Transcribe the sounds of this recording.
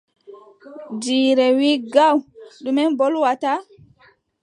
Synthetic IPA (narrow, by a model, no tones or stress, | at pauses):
d͡ʒiːɾɛwiɡawɗumɛnbɔlwata